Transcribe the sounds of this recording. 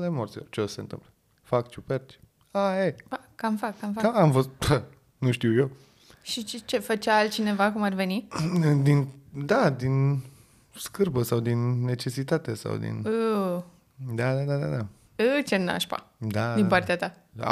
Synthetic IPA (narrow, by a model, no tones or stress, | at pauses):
lemort̪sʲilort͡ʃeosent̪ɨ̰mplə | fakt͡ʃupert͡ʃʲ | aepa | kːamfakːamfaaamfost̪̚ə | nuʃt̪iwje | ʃit͡ʃet͡ʃe̞fət͡ʃaalt̪̚t͡ʃine̞vakumarve̞nid̪ind̪ad̪in | skɨrbəsawd̪inːe̞t͡ʃe̞sit̪at̪e̞sa̰wd̪ḭnɨ | d̪ad̪ad̪ad̪a̰d̪a | ɨt͡ʃena̰ʃpa̰d̪ad̪inpart̪eat̪a̰